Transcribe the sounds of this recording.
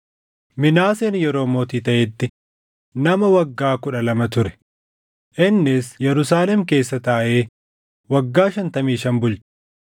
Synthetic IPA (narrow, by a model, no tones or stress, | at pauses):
mɪnaːseːnjɛɾo̞ːmoːt̪iːt̪ɐʔɛt̪ːɪ | nɐmɐwɐɡːaːkʊᶑɐlɐmɐt̪ʊɾɛ̥ | ʔɪnːɪsjɛɾʊsaːlɛmke̞ːsːɐt̪aːʔeː | wɐɡːaːʃɐnt̪ɐmiːʃɐnbʊlt͡ʃ